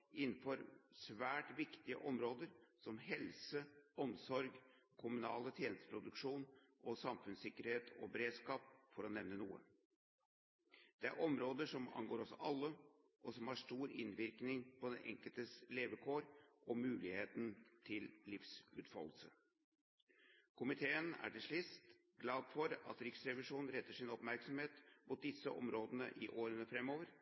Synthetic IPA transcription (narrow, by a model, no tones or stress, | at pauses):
ɪn̩ːfɔɾsʋæːʈʋɪkt̪ɪə̰ʔɔmɾoːd̪əɾsɔmɦɛlsəɔmsɔɾɡ | kʰʊmʉnɑ̰ːlət̪ʰjeːnəst̪əpʰɾʊd̪ʉkʂuːn | ʔɔsɑmfʉnsɪkːəɾheːt̪ʰɔ̰bɛɾeːd̪skɑːp̚fɔɾɔnɛʋnənuːə̰ | d̪̥ɛæ̰ɾʔɔmɾoːd̪əʂɔmɑ̰nɡoːɾɔsɔ̰ʔɑlːə | ʔɔsɔmhɑʂʈ̪uːɾɪ̰nʋɪɾknɪŋpʰɔd̪ɛnʔɛ̰ŋkəlt̪əsleːʋəkʰoːɾʔɔmʉːlɪheːt̪nt̪ʰɪllɪfsʉːt̪fɑ̰lːəsə | kʰʊmɪt̪ʰeːənæ̰ʈɪlʂɭɪst̪ | ɡlɑːd̪fɔɾɑ̰t̪ɾɪksɾɛʋɪʂuːnn̩ɾɛt̪ːəʂɪnɔpmæɾksɔmheːt̪muːt̪̚d̪ɪsːəʔɔ̰mɾoːd̪ənə̰ʔɪʔoːɾənəfɾɛmːoːʋəɾ